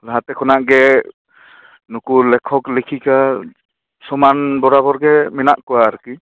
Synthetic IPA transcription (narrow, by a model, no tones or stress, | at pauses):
laɦat̪ɛkʰɔnaʔɡɛ | nukulɛkʰɔklekʰika | sɔmanbɔɾabɔɾɡɛmɛnaʔkɔwaːɾki